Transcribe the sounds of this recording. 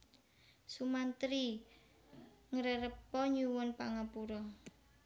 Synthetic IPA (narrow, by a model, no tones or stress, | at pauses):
sumant̪ɾi | ŋəɾəɾəpːɔɲuwɔnpaŋapuɾɔ